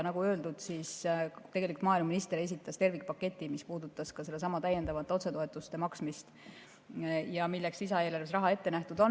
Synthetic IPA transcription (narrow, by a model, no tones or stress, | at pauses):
nɑɡ̥uø̞ld̪ud̪̥siːst̪e̞ɡelʲikult̪mɑːilmɑminist̪e̞ɾe̞s̬it̪ːˑɑst̪e̞rvik̚ˑpɑkːˑe̞t̪ʲˑːimispuːd̪ut̪ːˑɑskɑseles̬ɑmɑt̪æjːe̞nd̪ɑvɑt̪eo̞t̪se̞t̪oe̞t̪ːˑust̪e̞mɑksmist̪ | jɑmilːeksisɑeːlɑrvesrɑɦɑe̞t̪ːe̞næht̪ud̪̥o̞n